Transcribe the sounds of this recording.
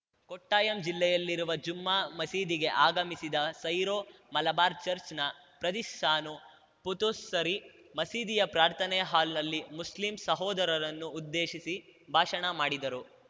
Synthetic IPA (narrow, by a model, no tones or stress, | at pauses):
koʈːaːjɐmd͡ʒilːɛjɐlːiɾuʋɐd͡ʒumːaːmɐsiːd̪iɡe̞ʔaːɡɐmisid̪ɐsɐjɾoːmɐlɐbaːɾt͡ʃɐɾt͡ʃnɐ | pɾɐd̪iʃtaːnu | put̪usːɐɾi | mɐsiːd̪ijɐpɾaːɾt̪ʰɐnɛjɐɦaːlnɐlːimuslimsɐɦɔːd̪ɐɾɐɾɐnːuːd̪ːeːʃisibʱaːʃɐɳɐmaːɽid̪ɐɾu